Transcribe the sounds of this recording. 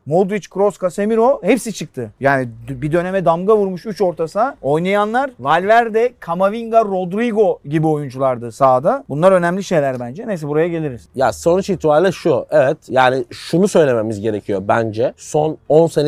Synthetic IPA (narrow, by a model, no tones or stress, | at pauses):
mod̪ɾit͡ʃkɾo̞skʰasemiɾo̞he̞psit͡ʃʰɯk̚t̪ʰɯjaːnibid̪ø̞ne̞mɛd̪amɡavuɾmuʃyt͡ʃo̞ɾt̪ʰasao̞jnajanlˠaɾvalʲvæɾd̪ɛkʰamaviŋɡaɾo̞d̪ɾiɡo̞ɟibio̞jund͡ʒulˠaɾd̪ɯsaːd̪abunlˠaɾø̞næmlʲiʃe̞jlʲæɾbænd͡ʒɛnejs̬ɛbuɾajaɟe̞lʲiɾiz̥jaso̞nut͡ʃit̪ʰiballʲˠaɾʃuevɛt̪jaːniʃunusø̞jlʲe̞me̞mizɟe̞ɾe̞cʰijo̞bænd͡ʒɛso̞no̞nsen